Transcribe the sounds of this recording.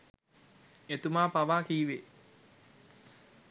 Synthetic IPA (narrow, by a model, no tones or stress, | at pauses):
et̪umaːpaʋaːkiːʋe